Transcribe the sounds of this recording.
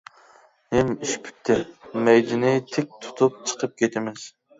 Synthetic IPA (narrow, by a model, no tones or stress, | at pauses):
mɪmiʃpʰy̥t̪ʰːɪmɛjd̪ɪnɪt̪ʰek̚ʲt̪ʰu̥t̪ʰup̚t͡ʃʰə̥qʰəp̚kʲʰet̪ʰɪmɪz̥